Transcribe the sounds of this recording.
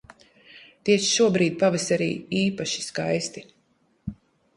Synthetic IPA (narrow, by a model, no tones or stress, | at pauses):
t̪iɛʃʃuɔbɾiːd̪̚pavisaɾḭːiːpaʃi̥skajst̪i